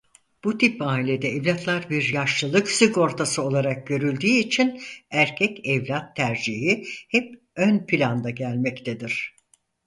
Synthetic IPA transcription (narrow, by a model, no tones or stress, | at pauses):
b̥ut̪ʰipaːilʲe̞d̪ɛːvlʲat̪ʰlˠaɾbiɾjaʃlˠɯlˠɯksyko̞ɾt̪ʰasɯo̞lˠaɾak̚ɟø̞ɾylʲd̪iːt͡ʃʰinæɾcʰɛcɛvlʲat̪ʰːæɾd͡ʒiɦihɛp̚ | ønpʰilʲand̪aɟælʲmɛct̪ʰed̪iɾ̝̥